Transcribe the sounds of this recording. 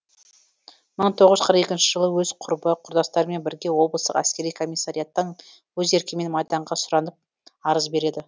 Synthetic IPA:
məɴt̪ʰo̞ʁəzʒə̥qʰɾəqe̞kʲɪnʃɪʒəlˠəwɵzqʰʊɾbəqʰʊɾd̪ɑst̪ɑɾəme̞nbɪɾɡʲe̞wo̞blˠəst̪əqæskʲe̞ɾijkʰo̞mijsːaɾijɑt̪ːəɴ | wɵze̞ɾkʲeme̞nmɑjd̪ɑɴʁɑsʊɾɑnəp̚ | ɑɾəzbe̞ɾe̞d̪ɪ

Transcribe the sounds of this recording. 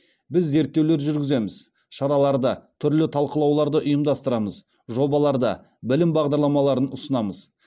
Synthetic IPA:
bɪzːe̞ɾt̪ːe̞wleɾʒʏɾɡʲɪze̞mɪz | ʃɑɾɑlˠɑɾd̪ət̪ʰʏɾlɪt̪ʰɑlˠqəlˠɑwlˠɑɾd̪əʔʊjəmd̪ɑst̪əɾɑməz | ʒo̞bɑlˠɑɾd̪ə̰ | bɪlɪmbɑʁd̪ɑɾlˠɑmɑlˠɑɾənʊsənɑməz

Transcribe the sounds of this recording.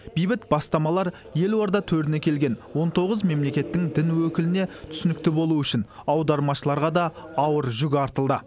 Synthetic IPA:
b̥ijbɪt̪b̥ɑst̪ɑmɑlˠɑɾ | je̞lwoɾd̪ɑt̪ʰɵɾt̪ɪne̞kʲʰe̞lɡʲe̞nwo̞nt̪ʰo̞ʁəzme̞mle̞kʲe̞t̪ːɪŋd̪ɪnwɵkʲɪlɪne̞t̪ʰʏ̥sɪnɪk̚t̪ɪbo̞lˠuʏʃɪnɑwd̪ɑɾmɑʃəlˠɑɾʁɑd̪ɑɑwəɾʒʏɡʲɪɑɾt̪əlˠd̪ə

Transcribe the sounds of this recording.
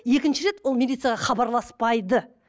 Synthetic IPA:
je̞kʲɪnʃɪɾe̞t̪wo̞lˠmʲilʲit̪sɨjaʁɑχɑbɑɾlˠɑspɑjd̪ə

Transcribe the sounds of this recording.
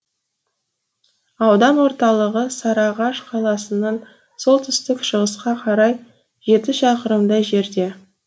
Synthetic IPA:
ɑwd̪ɑnwo̞ɾt̪ɑlˠəʁəsɑɾɑʁɑʃqʰɑlˠɑsənɑɴ | so̞lˠt̪ʰʏst̪ɪkʃəʁəsqɑqʰɑɾɑj | ʒ̥e̞t̪ɪʃɑqəɾəmd̪ɑjʒe̞ɾd̪e̞

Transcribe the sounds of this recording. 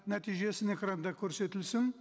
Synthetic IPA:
næt̪ijʒe̞sɪnekrɑnd̪ɑkʲʰɵɾse̞t̪ɪlsɪŋ

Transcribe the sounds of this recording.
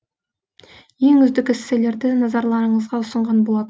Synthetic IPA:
je̞ŋʏzd̪ɪkʲɪsːele̞ɾd̪ɪnɑzɑɾlˠɑɾəɴəzʁɑʊsəɴʁɑnbo̞lˠɑd̪ə

